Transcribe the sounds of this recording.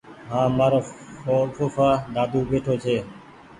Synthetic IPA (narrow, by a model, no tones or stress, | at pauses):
ɦãːmaːɾoːofoːfaːɗ̪aːd̪uːbeːʈʰoːt͡ʃʰeː